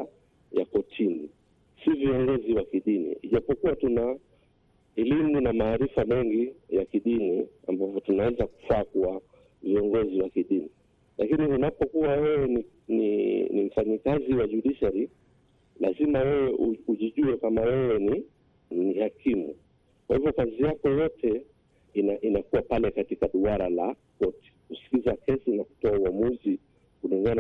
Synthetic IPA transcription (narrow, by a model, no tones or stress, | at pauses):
jakɔtʰini | siviɔŋɡɔziwakiɗinḭiʄapɔkuwatuna | ɛlimunamaːɾifamɛŋɡijakiɗinia̰mbavɔtunawɛzaku̥faːkua | viɔŋɡɔziwakiɗini | lakiniunapɔkuwawɛwɛni | nḭnim̩faɲikaziwaʄuɗiʃaɾi | lazimawɛwɛʔuuʄiʄuɛkamawɛwɛni | nihakimṵ | kwahivjɔkazijakɔjɔtʰɛ | inaʔinakuwapalɛkatikaɗuaɾala | kɔti̥kusi̥kizakɛsinaku̥tɔauamuzi | kuliŋɡan